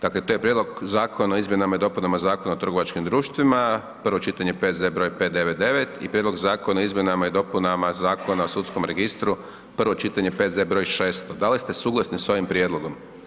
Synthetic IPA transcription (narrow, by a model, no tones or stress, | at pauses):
d̪aklet̪ojepɾje̞d̪lo̞ɡzaːkʰo̞naoizmjenamaid̪opunamazaːkonaot̪rɡo̞ʋat͡ʃkimd̪ɾuːʃt̪ʋima | pr̩ʋo̞t͡ʃit̪aɲepeːt̪ze̞bɾo̞jpe̞t̪d̪e̞ʋet̪̚d̪e̞ʋet̪ḭpɾjed̪lo̞ɡzaːkonaoizmje̞namaid̪o̞punamazaːko̞naosut̪sko̞mɾe̞ɡist̪ɾu | pr̩ʋo̞t͡ʃit̪aɲepezebɾo̞jʃeːst̪od̪alist̪e̞suːɡlˠasniso̞ʋimpɾʲje̞d̪lˠo̞ɡo̞m